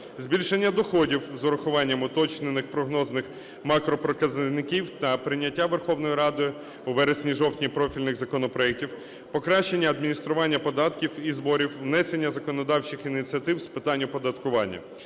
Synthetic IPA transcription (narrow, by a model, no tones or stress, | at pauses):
zʲbʲilʲʃenʲːɐd̪ɔxɔdʲiwzɔɾɐxʊʋɑnʲːɐmʊt̪ɔt͡ʃnenɪxpɾɔɦnɔznɪx | mɑkɾɔpɾɔkɐznɪkʲiwt̪ɐpɾɪnʲːɐtʲːaʋerxɔwnɔjiɾɑd̪ɔj | ʊʋɛɾesʲnʲiʒɔwtʲnʲipɾɔfʲilʲnɪɣzɐkɔnɔpɾɔɛk̚tʲiw | pɔkɾɑʃt͡ʃːe̞nʲːɐɐd̪mʲinʲist̪ɾʊʋɑnʲːɐpɔd̪ɑt̪kʲiwizbɔɾʲiwːnɛse̞nʲːɐzɐkɔnɔd̪ɑwt͡ʃɪxinʲit̪sʲiɐt̪ɪwspɪt̪ɑnʲːʊpɔd̪ɐt̪kʊʋɑnʲːɐ̰